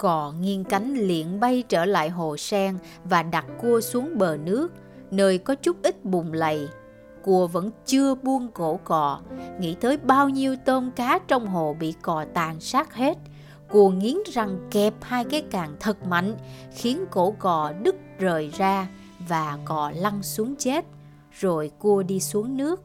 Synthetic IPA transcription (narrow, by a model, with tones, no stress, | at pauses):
kɔ˧˩ŋi˧ənka˨˦jŋ̟lḭ˧˨ənɓa˧jt͡ɕəː˧˩la̰ː˧˨jɦo˨˩sɛ˧ŋ | vaː˨˩ɗa˨˩t̚ku˧əsu˨˦əŋɓəː˨˩nɨ˦˥ək̚ | nəː˧jkɔ˨˦t͡ɕʊ˦˥k͡p̚ʔï˦˥t̚ɓʊ˨˩ŋ͡mlə̰˧˨j | ku˧˩əvə̰˧˥nt͡ɕɨ˧əɓu˧ənko̰˧˩kɔ˧˨˩ŋḭ˧˥t̪ʰəː˨˦jɓaː˧wɲi˧əwt̪əː˧nkaː˨˦t͡ɕɔ˧wŋ͡mɦo˨˩ɓḭ˧˨kɔ˨˩t̪aː˨˩nsaː˦˥k̚he˦˥t̚ | ku˧˩əŋi˨˦ənza˨˩ŋkɛ˨˩p̚haː˧jkaː˨˦jkaː˨˩ŋt̪ʰə˨˩t̚ma̰˧˨jŋ̟xi˨˦ənko̰˧˩kɔ˨˩ɗɨ˦˥k̚zəː˨˩jzaː˧ | vaː˨˩kɔ˨˩la˧ŋsu˨˦əŋt͡ɕe˦˥t̚ | zo˨˩jku˧əɗi˧su˨˦əŋnɨ˦˥ək̚